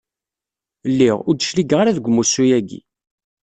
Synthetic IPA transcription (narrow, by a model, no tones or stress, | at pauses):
lːiʁʊɾd̪əʃliɡʁaɾaðɡʷmːusujæɡḭ